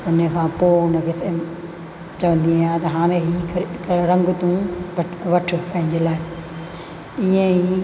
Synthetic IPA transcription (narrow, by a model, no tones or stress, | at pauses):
ʊnəkʰãːpoːʊnəkɪt̪ʰe | t͡ɕɐʋə̃nd̪iaːjaːt̪ɐɦaːɾ̃ẽɦiːkʰɐɾɾɐ̃ŋɡʊt̪ũ | ʋɐʈʰʊ̆pɐ̃ɦɪ̃ɲd͡ʑeːlaːɪ | iẽi